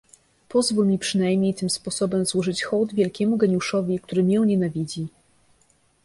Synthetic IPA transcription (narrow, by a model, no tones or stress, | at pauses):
pɔzvulmʲipʂɘn̪ajmɲejt̪ɘmspɔsɔbɛmzwɔʐɘt͡ɕxɔwd̪vʲjɛlkʲɛmuɡɛɲuʂɔvʲik̚t̪uɾɘmʲjɛwɲɛnavʲid͡ʑi